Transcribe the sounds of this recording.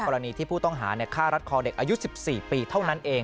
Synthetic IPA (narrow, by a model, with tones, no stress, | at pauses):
ɔ˧ɾa˧niː˧t̪ʰiː˥˩pʰuː˥˩t̪ɔ˥˩ŋɦa̰ː˩˦ni˥˩kʰaː˥˩ɾa˦˥t̪̚kʰɔː˧de˨˩k̚ʔaː˧ju˦˥si˨˩p̚siː˨˩piː˧t̪ʰa˥˩wna˦˥nʔeː˧